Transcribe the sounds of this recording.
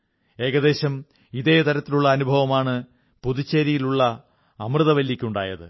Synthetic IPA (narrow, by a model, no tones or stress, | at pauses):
e̞ːɣɐðe̞ːɕɐm | iðe̞ːt̪ɐɾɐt̪ːiluɭːɐːnubʱɐʋɐmaːɳɨ | puðut͡ɕːɐɾijiluɭːɐ | ɐmrɨðɐʋɐlːikʲːuɳɖa̰ːjɐðɨ̰